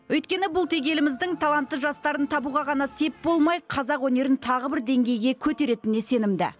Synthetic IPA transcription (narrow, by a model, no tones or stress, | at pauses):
wɵjt̪kʲe̞nɪbʊlˠt̪ʰe̞ɡʲe̞lɪmɪzd̪ɪŋt̪ʰɑlˠɑnt̪ːəʒɑst̪ɑɾənt̪ʰɑbuʁɑʁɑnɑse̞p̚bo̞lˠmɑjqʰɑzɑqwɵne̞ɾɪnt̪ʰɑʁəbɪɾd̪e̞ŋɡʲe̞jɡʲe̞kʲʰɵt̪e̞ɾe̞t̪ɪnese̞nɪmd̪ɪ̰